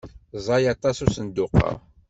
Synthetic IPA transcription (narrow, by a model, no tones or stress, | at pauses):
zˤɑjɑt̪ˤɑsusənd̪ʊqɑ̰